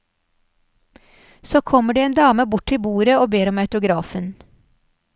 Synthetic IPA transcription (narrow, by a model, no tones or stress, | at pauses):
soːkʰɔməɖiːeːnd̪ɑːməbʊʈɪbuːɾəoːbeːɾɔmœʉt̪ʊɡɾɑːfən